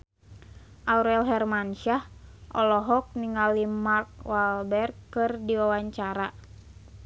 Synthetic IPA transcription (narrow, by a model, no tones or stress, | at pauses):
ʔauɾɛlɦɛrmanʃahʔɔlɔɦɔk̚niŋalimark̚walbɛrɡkɨrdiwawaɲt͡ʃaɾa